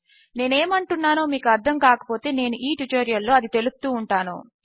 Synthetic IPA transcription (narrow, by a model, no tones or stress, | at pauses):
ne̞ːneːmɐɳʈunːaːnoːmiːkuɐɾd̪ʱɐmkaːkɐ̥po̞ːt̪e̞ːne̞ːnuʔiːʈuʈoːɾijɐlːo̞ːɐd̪it̪e̞lust̪uːɳʈaːnṵ